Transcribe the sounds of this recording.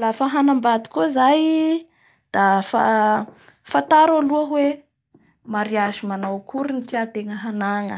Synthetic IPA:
lafəɦanambad̪i̥kozaj | d̪̥afa̰ | fat̪aɾaluəwe | maɾiazimanawkuɾunitiat̪eŋəɦanaŋə

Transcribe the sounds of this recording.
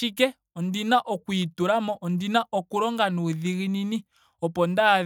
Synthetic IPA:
ikɛ | ɔndinaʔɔkwituɾamɔʔɔndinaʔɔkuɾɔŋɡanuðiɣinini | ɔpɔnda

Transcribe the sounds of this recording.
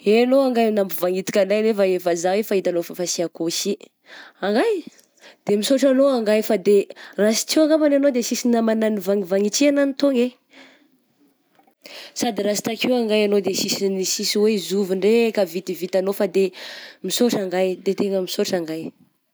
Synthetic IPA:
enoaŋɡajnampuvaŋit̪i̥kʲanajnefaefazawefait̪anofafasiakosi | aŋɡaj | d̪̥emisoʈ͡ʂanoaŋɡajfad̪erasi̥t͡siwaŋɡamananod̪esisinamananivaŋivaŋit͡siananit̪oŋe | sad̪iɾasi̥t̪akiwaŋɡajanod̪esisinisisiwezuviɳɖ͡ʐekavit̪ivit̪anofad̪emisoʈ͡ʂaŋɡajd̪et̪eŋəmisoʈ͡ʂaŋɡaj

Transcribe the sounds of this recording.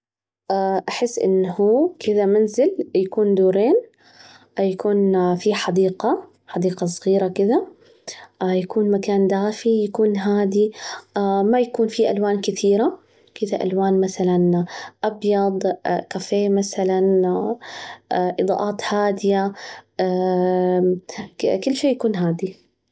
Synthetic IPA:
ʔaʔaħɪsːʔɪ̰nːhuːkʰɪd̪amanzɪljakuːnd̪uːɾeːn | jakuːnfiħɑd̪iːqa | ħɑd̪iːqɑs̬ˤɣiːɾakɪd̪a | jakuːnmakaːnd̪aːfijakuːnɦaːd̪i | majakuːnfiʔalwaːnkɪθiːɾa | kɪd̪aʔa̰lwaːnmaθalanʔɑbjɑd̪ˤkafeːmasalan | ʔɨd̪ˤɑ̰ːʔaːt̪haːd̪ɪja | kʊlːʃeːjakuːnɦaːd̪i

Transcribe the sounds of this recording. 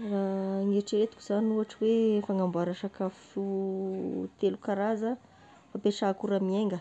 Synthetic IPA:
raŋeʈ͡ʂiɾet̪ukuiz̥anuaʈ͡ʂəwefaŋambaɾaʂakafufu | t̪elukaɾazə | fapeʃakuɾamieŋɡə

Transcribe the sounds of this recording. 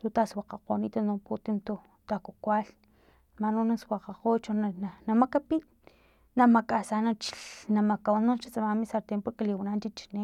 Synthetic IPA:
t̪ut̪aswaqaqo̰nḭːt̪anuput̪imt̪u | t̪akokʷal | manonaswaqaqot͡ʃonanamakapi | namakʼasanat͡ʃinamakawanunʃat͡samamisaɾt̪empokeliwanant͡ʃit͡ʃi̥ne

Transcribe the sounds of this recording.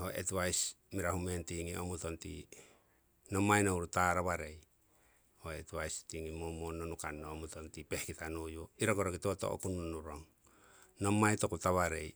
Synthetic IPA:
ho̞ʔḛtβajs | miɾaɦumentiŋiʔomuto̞ntḭ | no̞mːajnowɾutaɾaβaɾe̞j | ho̞etβajstiŋimomonːonukanːoomutontipe̞hkitanojoiɾoɡoɾoɡitoto̰o̰kunonuɾoŋ | no̞mːajtokutaβaɾe̞̰j

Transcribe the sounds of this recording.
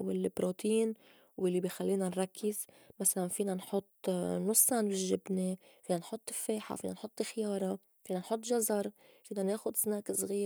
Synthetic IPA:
wɪlbɾoːt̪iːn | wɪlːibiːxalːiːnanɾˤɑkːɪz | masalanfiːnanħʊt̪ˤːnʊsˤːaʕnbɪʒːɪbnefiːnanħʊt̪ˤːɪfːeːħa̰fiːnanħʊt̪ˤːɪxjɑːɾˤɑ | fiːnanħʊt̪ːˤʒɑzˤɑɾˤ | fiːnaneːxʊd̪snaːkɪsˤɣiː

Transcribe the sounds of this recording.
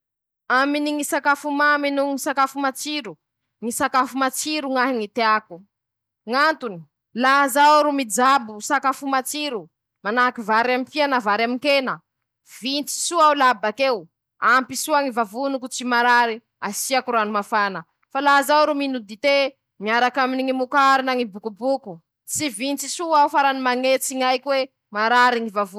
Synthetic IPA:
aminiŋisakafumaminuŋisakafumat͡siɾu | ŋisakafumat͡siɾuŋaɦiŋit̪eaku | ŋant̪uni̥ | lazawɾumid͡zabusakafumat͡siɾu | manakivaɾamipianavaɾamikenə | v̥int͡si̥suawlabakew | ampisuaŋivavunukut͡simaɾaɾi | asiakuɾuanumafanə | falazawɾuminud̪it̪e | miaɾakaminiŋimukaɾinaŋibukubuku | t͡sivint͡sisuaufaɾanimaŋet͡siŋajkiwe | maɾaɾiŋivavu

